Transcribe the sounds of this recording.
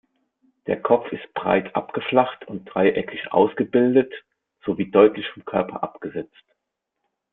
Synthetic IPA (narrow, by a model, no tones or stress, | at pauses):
d̥eːɐkʰɔp͡fɪst̚b̥ʁa̰ɪtʰʔa̰pɡ̥əflaχtʰʊnt̚d̥ʁaɪʔɛkʰɪçʔa̰ʊsɡ̥əbɪldət | z̥oviːdɔʏtlɪçfɔmkʰœɐpʰɐ̰ʔapɡ̥əzɛt͡st